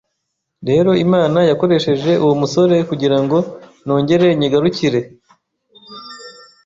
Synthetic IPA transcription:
ɾe̞ːɾo̞imaːnajako̞ɾe̞ʃe̞ʒe̞ʔuwumuso̞ɾe̞kuɟiɾaŋɡo̞no̞ːɲɟe̞ɾe̞ɲiɡaɾuciɾe̞

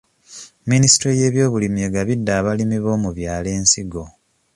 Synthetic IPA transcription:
minisi̥tɾoje̞ːβjo̞ːβulimje̞ɡaβidːaːβalimiβo̞ːmuβjaːle̞ːnsiɡo̞

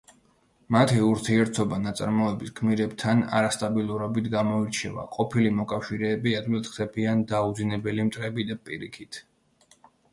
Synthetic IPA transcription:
mat̪ʰiuɾt̪ʰiɛɾt̪ʰɔbanat̪sʼa̰ɾmɔɛbiskʰmiɾɛbt̪ʰana̰ɾast̪ʼabilˠuɾɔbit̪ʰɡamɔiɾt͡ʃʰɛ̰va̰qʼɔpʰilimɔkʼafʃiɾɛːbiad̪vilt̪χd̪̥ɛbiand̪aud̪zinɛbɛlimt̪ʼɾɛbid̪apʼḭɾikʰit̪ʰ

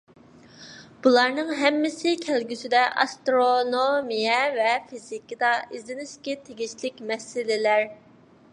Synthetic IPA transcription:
b̥ulˠɑɾnɨŋɦɛmːɪsɪkʲʰɛlɡʲysɪd̪ɛʔɑ̰st̪ɾonomijɛvɛfizikid̪ɑʔizɪnɪʃkʲɛt̪ʰeɡʲiʃlɪkʲmɛsɪlɪlæɾ

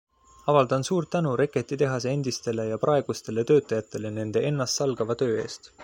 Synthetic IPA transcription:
ɑvɑld̪̥ɑnsuːɾt̪ːænuɾe̞kːˑe̞t̪ːˑit̪e̞ɦɑseend̪̥ist̪e̞le̞jɑprɑe̞ɡ̥ust̪e̞le̞t̪ø̞ːt̪ːˑɑjɑt̪ːˑe̞le̞ne̞nd̪̥e̞ʔe̞nːɑst̪sɑlɡ̥ɑvɑt̪ø̞ːe̞̰ːst̪

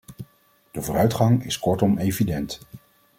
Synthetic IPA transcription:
d̥əvʊːɾœɥtχɑŋɪskɔɹtɔmejvidɛnt

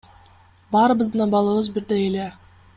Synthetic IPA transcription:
bɑɾəbəzd̪nɑbɑlˠɑwəzbɪɾd̪ejele

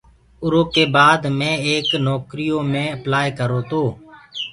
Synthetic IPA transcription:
ʊɾoːkeːbaːd̪mẽːeːknɔːkɾijoːmẽːəplaːekəɾoːt̪oː

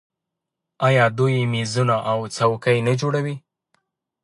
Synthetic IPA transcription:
ɑjɑd̪ujemizunaʔawt͡sawkajnad͡ʒoɽawi

